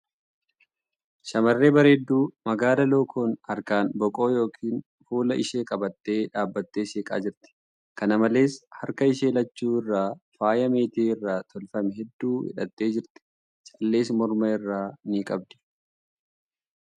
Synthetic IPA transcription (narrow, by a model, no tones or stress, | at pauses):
ʃɐmɐrːe̞ːbɐɾeːd̪ːuːmɐɡaːlɐloːkʰoːnhɐɾkaːnbɔkʼo̞ːjo̞ːkʰiːn | fuːlɐʔɪ̰ʃeːkʼɐbɐt̪ːe̞ːᶑaːbːɐt̪ːe̞ːseːkʼa̰ːd͡ʒɪɾt̪ɪ̥ | kɐnɐmɐle̞ːshɐɾkɐɪʃ̬e̞ːlɐt͡ʃːuːɪrːaːfaːjɐme̞ːt̪eːɪrːaːt̪ʰɔlfɐmɛɦɛd̪ːuːhɪ̰ᶑɐt̪ːe̞ːd͡ʒɪɾt̪ɪ̥ | t͡ʃʼɐlːe̞ːsmɔɾmɐɪrːaːniːkʼɐb̚d̪ɪ̥